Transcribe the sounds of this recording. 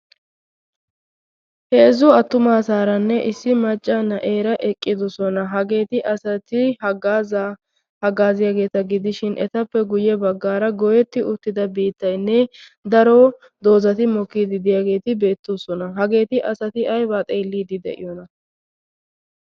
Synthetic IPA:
heːzʊɐt̪ːʊmaːsaːɾɐnːɛʔɪsːɪmɐt͡ʃʼːanɐʔe̞ːɾɐʔɛkʼːɪd̪ɔsɔnɐɦɐɡe̞ːt̪ɪʔɐsɐt̪ɪhɐɡaz | hɐɡaːzɪjaːɡe̞ːt̪ɐɡɪd̪ɪʃɪnʔɛt̪ɐpːɛɡʊjɛbɐɡːaːɾɐɡɔjɛt̪ːɪʊt̪ːɪd̪ɐbiːt̪ːɐjnːɛ | d̪ɐɾoː | d̪o̞ːzɐt̪ɪmɔkːiːd̪ɪd̪ɪjaːɡe̞ːt̪ɪbe̞ːt̪ːoːsɔnɐɦɐɡe̞ːt̪ɪʔɐsɐt̪ɪʔɐjbaːt̪ʼe̞ːlːiːd̪ɪd̪ɛ̰ʔɪ̰jɔnɐ

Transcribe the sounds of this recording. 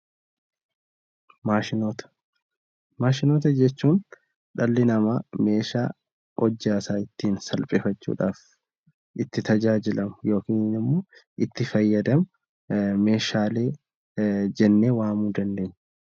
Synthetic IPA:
maʃɪnot̪ɐ̥ | maːʃɪnoːt̪ɐd͡ʒɛt͡ʃːuːn | ᶑɐlːɪnɐmame̞ːʃaː | ʔɔd͡ʒːaːsaːɪt̪ːiːnsɐlpʼeːfɐt͡ʃːṵːᶑa̰ːf | ʔɪt̪ːɪt̪ɐd͡ʒaːd͡ʒɪlɐmʊjo̞ːkiːnnɪmːo̞ːʔɪt̪ːɪfɐjːɐd̪ɐmʊ | me̞ːʃaːle̞ː | d͡ʒɛnːe̞ːwaːmuːd̪ɐnd̪e̞ːɲː

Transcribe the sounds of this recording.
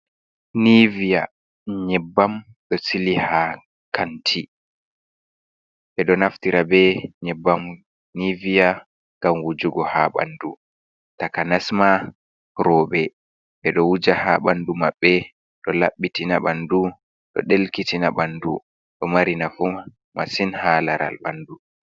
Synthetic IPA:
nivija | ɲɛbːam | ɗɔsiliha | kantʰi | ɓɛɗɔnaftiɾabɛɲɛbːam | nivija | ŋɡamwud͡ʒuɡɔhaɓa̰ndu | takanasma | ɾɔːɓɛ | ɓɛɗɔwud͡ʒahaɓandumaɓːɛ | ɗɔlaɓːitinaɓandu | ɗɔ̰ɗelkitinaɓandu | ɗɔmaɾinafu | masinhalaɾa̰lba̰ndu

